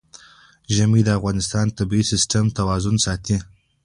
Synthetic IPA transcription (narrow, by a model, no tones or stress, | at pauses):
ʒamid̪əafɣɑnɪst̪ɑnt̪abiisɪsʈemt̪awɑzʊnsɑt̪i